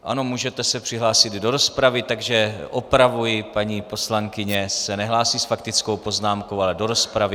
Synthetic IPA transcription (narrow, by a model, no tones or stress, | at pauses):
ʔa̰no̞muːʒɛt̪ɛsɛpr̥ɪɦlaːsɪd̪do̞ɾo̞spɾavɪt̪aɡʒɛʔopɾavujɪpaɲiːpo̞slaŋkɪɲɛsɛnɛɦlaːsiːsfakt̪ɪt͡skowpo̞znaːmkowalɛdo̞ɾo̞spɾavɪ